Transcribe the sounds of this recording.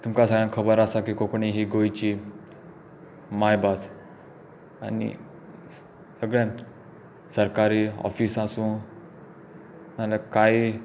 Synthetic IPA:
t̪umkasaɡãkʰəbəɾasakiːkokɳiɦiːɡojt͡ɕi | majbad͡z | a̰nḭ | səɡɭã | səɾkaɾiːɔ̰fisasũː | malakai

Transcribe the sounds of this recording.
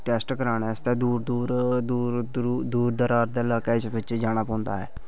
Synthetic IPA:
ʈɛːsʈkəɾaːneːst̪ɛːd̪uːɾd̪uːɾd̪uːɾd̪uːɾd̪əɾaːɾd̪eːəlaːkeːɪsbɪt͡ʃːd͡ʒaːñaːpɔ̃ːnd̪a̰ːɦɛ̰ː

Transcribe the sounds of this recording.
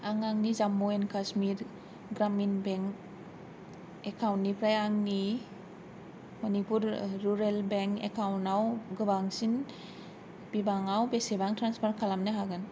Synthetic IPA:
aŋaŋnizamːoenkasmiɾ | ɡɾaminbeŋk | ekʰawntːipʰɾajaŋni | mɔnipuɾːuɾelbeŋkḛkʰawntawɡɯbaŋsin | b̥ibaŋawbesebaŋtɾanspʰaɾkʰalamnɯɦaɡɯn

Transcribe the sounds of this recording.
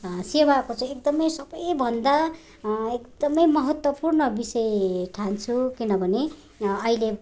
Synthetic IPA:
sewakot͡sʌ̃ekd̪ʌmʌjsʌbʌjbʱʌnd̪a | ekd̪̥ʌmʌjmʌɦʌt̪wʌpurnʌbisʌjʈʰant͡sʰukinʌbʱʌne | ʌile

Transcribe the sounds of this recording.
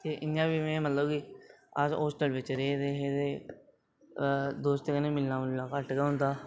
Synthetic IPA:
t̪eːʔɪnjãːbiːmɛ̃ːmət̪ləbɡiːəd͡ʒoːsʈəlʋɪt͡ʃɾeːɾeːɦeːt̪eː | d̪oːst̪eːkənẽːmɪlnaːmɪlnaːkəʈɡaːɦʊ̃nd̪aː

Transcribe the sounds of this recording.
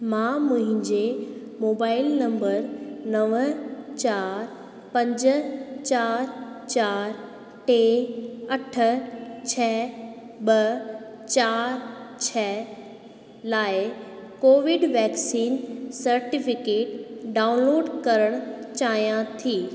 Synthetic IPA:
mãːmʊ̃ɦɪ̃ɲd͡ʑe | moːbaːɪlnɐ̃mbəɾnɐʋt͡ɕaːɾ | pɐ̃ɲd͡ʑʊ̆t͡ɕaːɾt͡ɕaːɾ | ʈeːɐʈʰə̆t͡ɕʰɛːɓɐ | t͡ɕaːɾt͡ɕʰɛː | laːɪkoːʋɪɖʋɛːksiːnsɐɾʈɪfɪkeːʈɖaːʊnloːɖkɐɾəɽ̃ | t͡ɕaːɦijãt̪ʰiː

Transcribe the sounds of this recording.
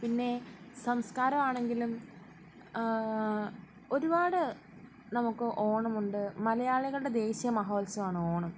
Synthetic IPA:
pinːe̞sɐmskaːɾɐmaːɳe̞ŋɡilum | o̞ɾubaːɽɨ | nɐmukːɨʔo̞ːɳɐmuɳɖɨmɐlɐjaːɭiɣɐɭuɽe̞d̪e̞ːɕjɐmɐɦo̞ːlsɐmaːɳɨoːɳɐm

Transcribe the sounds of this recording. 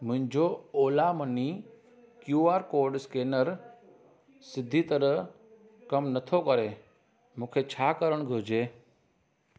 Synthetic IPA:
mʊ̃ɦɪ̃ɲd͡ʒooːlaməni | kjuːaːɾkoːɾɖskeːnəɾ | sɪd̪ʱːiːt̪əɾə | kəmnət̪ʰokəɾe | mũːkʰet͡ʃʰaːkəɾəɳ̃ɡʱoːd͡ʒeː

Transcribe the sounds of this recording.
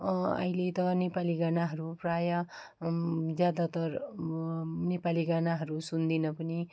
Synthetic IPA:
ʌ̰ilet̪ʌnepaliɡanaɦʌɾuprajʌ | d͡zjad̪at̪ʌɾ | nepaliɡanaɦʌɾusund̪inʌpʌni

